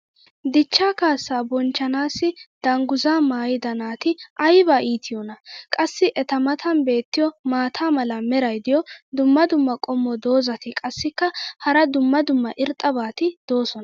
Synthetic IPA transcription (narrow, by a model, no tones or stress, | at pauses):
d̪ɪt͡ʃːaːkaːsːaːbɔnt͡ʃːɐnaːsːɪd̪̥ɐŋɡʊzaːmaːjɪd̪ɐnaːt̪ɪʔɐjbaːʔiːt̪ʰɪjɔnɐkʼɐsːɪʔɛt̪ɐmɐt̪ʰɐnbe̞ːt̪ːɪjɔmaːt̪ʰaːmɐlɐmɛɾɐjd̪ɪjɔd̪ʊmːɐd̪ʊmːɐkʼɔmːɔd̪o̞ːzɐt̪ɪkʼɐsːɪkːɐhɐɾɐd̪ʊmːɐd̪ʊmːɐʔɪɾt̪ʼːɐbaːt̪ɪd̪̥o̞ːsɔnɐ